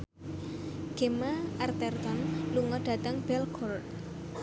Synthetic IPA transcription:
ɡ̥emaʔart̪ɛrt̪ɔnluŋɔɖ̥a̤t̪əŋbɛlkʰɔrt̪̚

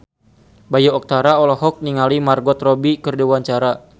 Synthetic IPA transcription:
bajɔɔk̚t̪aɾaɔlɔɦɔk̚niŋalimarɡɔt̪rɔbikərdɛwaɲt͡ʃaɾa

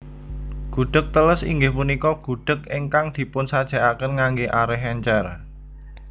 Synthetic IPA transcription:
ɡ̥ṳɖ̥ə̤k̚t̪ələsḭŋɡɪhpunikɔɡ̥ṳɖ̥ə̤keŋkaŋd̪̥i̤pʊnsad̥ʒ̥a̤ʔakənŋaŋɡeʔaɾɛɦɛɲt͡ʃɛr

